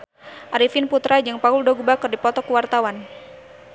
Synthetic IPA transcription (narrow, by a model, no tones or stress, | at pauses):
ʔaɾifinput̪ɾad͡ʒɨŋpauldoɡubakɔrdipɔt̪ɔkuwart̪awan